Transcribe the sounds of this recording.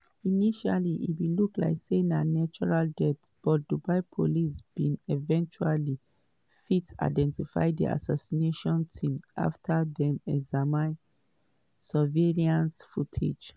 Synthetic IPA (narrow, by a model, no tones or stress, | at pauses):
iniʃaliʔḭtwilukla̰ɪksenanat͡ʃɔɹaldɛt | b̥ɔt̚d̥ubaɪpʰolisb̥ĩnɛvɛ̃nt͡ʃuali | fita̰ɪdɛ̃ntifa̰ɪdḭʔa̰sasineʃɔ̃ntʰĩmʔa̰ftʰaðɛ̃nɛɡzamã | saveliãnsfutʰḛd͡ʒ